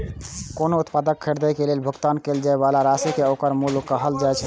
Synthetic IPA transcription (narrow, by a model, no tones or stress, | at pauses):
konout̪pad̪əkʰːəɾd̪əjkelelbʱəɡt̪ankeld͡ʒaebalaɾasikeokəɾmulkəɦəld͡ʒajt͡ʃʰɛ